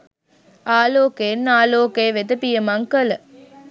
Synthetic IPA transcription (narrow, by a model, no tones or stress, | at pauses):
aːloːkenːaːloːkejːʋed̪əpijəmaŋkələ